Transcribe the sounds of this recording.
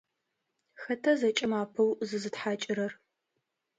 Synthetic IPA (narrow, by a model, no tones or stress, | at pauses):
xɐtʰɐzɐt͡ʃʼɐmaːpʰɨwzɨzɨtħaːt͡ʃʼɪɾɐr